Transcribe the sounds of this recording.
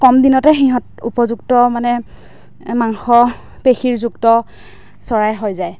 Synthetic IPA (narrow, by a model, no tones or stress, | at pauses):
kɔmdinɔtɛxiɦɔ̃tupɔzuktɔmanɛ | maŋxɔ | pexiɹzuktɔ | sɔɹajɦojzaj